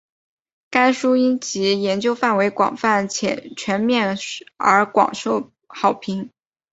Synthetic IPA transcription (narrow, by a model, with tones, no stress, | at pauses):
ka˥ɪʂu˥i˥nt͡ɕi˧˥jɛ˧˥nt͡ɕjo˥ʊfa˥˩nwe˧˥ɪkwɑ̰˨˩ŋfa˥˩nt͡ɕʰjɛ̰˨˩t͡ɕʰɥɛ˧˥nmjɛ˥˩nə̰˞˧˥kwɑ̰˨˩ŋʂo˥˩ʊ | xɑ˨˩ʊpʰi˧˥ŋ